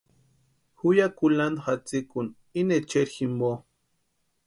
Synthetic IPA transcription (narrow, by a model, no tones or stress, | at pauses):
xujakuland̪xat͡sikun | inet͡ʃeɾximbo